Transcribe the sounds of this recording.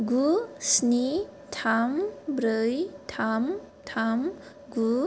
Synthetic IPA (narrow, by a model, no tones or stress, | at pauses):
ɡusni | tʰambɾəjt̪ʰam | t̪ʰam | ɡu